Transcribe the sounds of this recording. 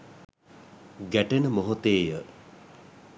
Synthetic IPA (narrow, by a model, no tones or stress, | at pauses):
ɡæʈenəmoɦot̪eːjə